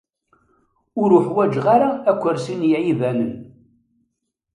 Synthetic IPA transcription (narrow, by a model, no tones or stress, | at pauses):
ʊɾʊħwæd͡ʒʁaɾaːkʷːəɾsinjæivænən